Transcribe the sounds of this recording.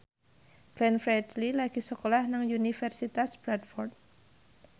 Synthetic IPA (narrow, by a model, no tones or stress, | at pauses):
ɡ̥lɛnfɾɛdlilaɡ̥i̤səkolahnaŋjunifɛrsit̪asb̥ɾad̪fɔrt̪̚